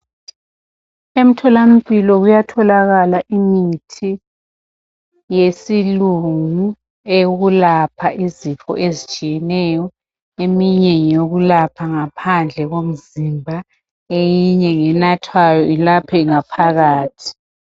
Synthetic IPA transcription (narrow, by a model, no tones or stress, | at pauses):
em̩tʰɔlam̩pʼilɔɣujatʰɔlaɣalaʔimitʰi | jesiluŋu | eɣulapʰaʔizipʰɔ̰ʔezit͡ʃʼijɛnɛːjɔ | emiɲɛjoɣulapʰaŋapʰand͡ɮʱɛɣom̩zimbʱa | ejiɲɛŋɛnatʰwajɔilapʰɛŋapʰaɣaːtʰi̥